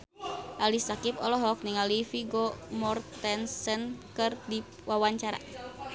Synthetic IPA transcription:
ʔalisakipɔlɔɦɔk̚niŋalifiɡɔmɔrt̪ɛnsənkɨrdi | wawaɲt͡ʃaɾa̰

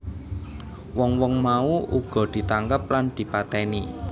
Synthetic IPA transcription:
wɔŋwɔŋmauʔuɡ̥ɔ̤d̪̥i̤t̪aŋkəp̚land̪̥i̤pat̪ɛni

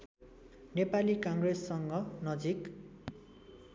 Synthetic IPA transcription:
nepalikʌŋɡresːʌŋɡʌnʌd͡zik

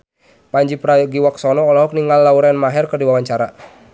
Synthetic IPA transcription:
paɲd͡ʒipɾaɡiwaksɔnɔːlaɦɔk̚niŋalːauɾanmaɦɛrkərdiwawaɲt͡ʃaɾa

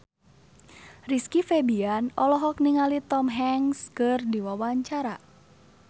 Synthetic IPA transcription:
riskifebianɔlɔɦɔk̚niŋalit̪ɔmɦɛŋskɨrdiwawaɲt͡ʃaɾa

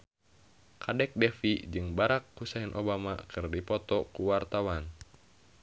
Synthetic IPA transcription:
kʰadɛk̚dɛfid͡ʒɨŋbaɾakːusaɛnʔɔbamakʰɨrdipɔt̪ɔkuwart̪awan

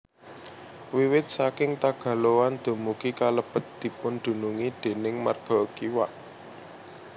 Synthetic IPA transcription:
wiwɪt̪̚sakɪŋt̪aɡ̥ä̤lowand̪̥o̤mukikaləb̥ə̤t̪̚d̪̥i̤pʊnd̪̥ṳnuŋid̪̥e̤nɪŋma̰rɡ̥ɔ̤kiwaʔ

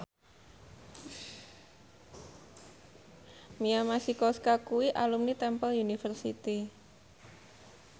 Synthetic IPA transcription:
miamasikɔskakuwiʔalumnit̪ɛmpəlunifərsḭt̪i

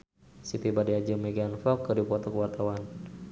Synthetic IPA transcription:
sit̪ibadiad͡ʒəmiɡanfɔkːədupuat̪ɔkuwart̪awan

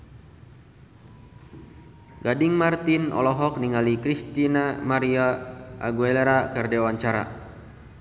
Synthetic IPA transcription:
ɡadiŋmart̪inɔ̰lɔɦɔk̚niŋalikɾist̪inamaɾiaːɡueleɾakərdewaɲt͡ʃaɾa̰

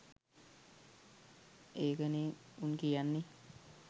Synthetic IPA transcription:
eːkəneunkijanːe

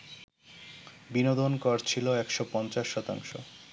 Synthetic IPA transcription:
binod̪onkɔɾt͡ɕʰiloɛkʃopɔnt͡ɕaʃːɔt̪a̰ŋʃo̰

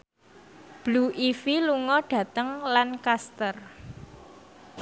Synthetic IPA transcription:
b̥luʔifiluŋɔɖ̥ä̤t̪əŋlankast̪ər

